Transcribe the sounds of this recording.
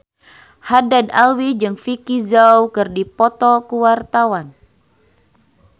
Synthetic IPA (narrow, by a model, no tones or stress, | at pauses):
hadanalwid͡ʒɨŋfikizawkɨrdipɔt̪ɔkuwart̪awan